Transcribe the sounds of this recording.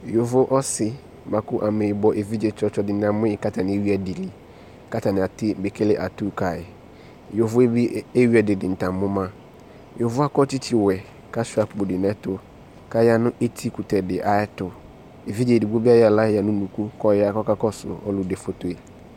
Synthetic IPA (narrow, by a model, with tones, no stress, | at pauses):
jo˨vʊ˦ʔɔ˦sɪ˦ | ma˨kʊ˦ʔa˨me˨ɪ˨bɔ˨ʔe˨vi˦d͡ʒe˨t͡ʃɔ˨t͡ʃɔ˨dɪ˨n˨ã˨mʊ̃˦ɪ˨ka˦tʰa˨nɪ̃˨˦e˦wi˦a˨di˨lɪ˨ | ka˦ta˨nɪ̃˨a˨tɪ˦be˨ke˦lɪ˦ʔa˨tu˦ka˨ɪ˨ | jo˨vʊ˦e˦bi˦e˦wɥi˦a˨dɪ˨dɪ˨n̩˨tã˨mʊ̃˦mã˦˨ | jo˨vʊ˦a˦kɔ˦ti˦tʰi˨wɛ˨ | ka˦ʃɪ˦a˨pk͡po˨dɪ˨nɛ̃˦tʊ˦ | ka˦ja˦nʊ̃˦ʔe˦tʰi˦ku˨tɛ˨dɪ˨ʔa˨ɪ˦tʊ˨ | e˨vi˦d͡ʒe˨di˨ɡ͡bo˦bi˦a˦ja˨la˦ja˨nʊ̃˦nũ˨ku˦kɔ˦ja˦kɔ˦ka˦kɔ˦sʊ̰˨ɔ̰˦lʊ˨de˨fo˦to˨e˨